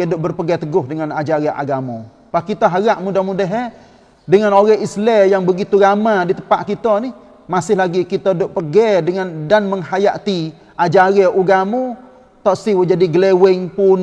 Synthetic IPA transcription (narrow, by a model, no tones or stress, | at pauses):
edʊʔ̚bərpəɡɛt̪əɡʊhdəŋanad͡ʒaɾaʔa̰ɡamɔ | pahkit̪aɦaɣaʔmudahmudəɦɛ | dəŋanoɣɛɦislɛjaŋbəɡit̪uɾamadit̪əpaʔkit̪ɔnɪh | masɪhlaɡikit̪ɔdʊʔpəɡɛdəŋandanməŋɦajaʔt̪i | ʔad͡ʒaɾɛʔuɡamu | t̪ɔʔsiwd͡ʒadiɡəlewɪŋpʊn